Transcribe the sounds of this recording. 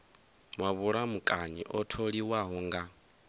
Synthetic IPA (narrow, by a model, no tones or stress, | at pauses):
mwaβuɺamukʼaɲḭʔɔtʰoɺiwaɦɔŋɡa